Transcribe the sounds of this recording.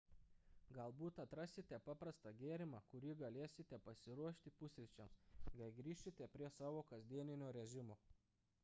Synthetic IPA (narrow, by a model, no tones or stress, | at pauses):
ɡɐlˠbuːt̪ɐt̪ɾɐsʲɪt̪ʲɛpɑːpɾɐst̪ɐɡʲeːɾʲɪmɑkʊɾʲiɡɐlʲeːsʲɪt̪ʲɛpɐsʲɪɾuɔʃʲt̪ʲɪpʊsʲɾʲɪt͡ʃʲɛmsɡɐɪɡɾʲiːʃʲt̪ʲɪt̪ʲɛpʲɾʲiɛsɑːʋoːkɐzʲd̪ʲiɛnʲɪnʲoːɾʲɛʒʲɪmoː